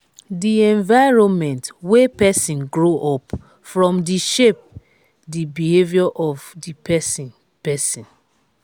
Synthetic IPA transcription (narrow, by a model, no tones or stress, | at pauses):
diɛ̃ɱvaɪɹõnmɛ̃ntwepɛsĩnɡɹoʔɔp | fɹɔ̃mdiʃep̚ | dibihevjɔʔɔvdipʰɛsĩn | pɛsĩn